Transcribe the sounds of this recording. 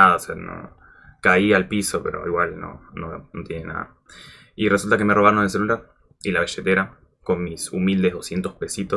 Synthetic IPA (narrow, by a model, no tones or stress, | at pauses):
aðaoseano̰ | kaialpiso̞peɾo̞̰iɣwalno̰nonot̪jene̞na̰ða̰ | ire̞sult̪ake̞meroaɾonðes̬elulaɾ | ilaβeʃet̪eɾa | ko̞nmisumild̪eð̞o̞sje̞nt̪o̞hpe̞sit̪o